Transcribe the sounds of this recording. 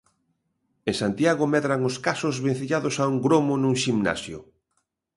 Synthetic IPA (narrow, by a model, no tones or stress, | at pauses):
ẽŋsant̪jaɣʊmɛðɾaŋʊskasʊzβen̟θiʎaðʊsauŋɡɾomʊnuŋʃimna̰sjʊ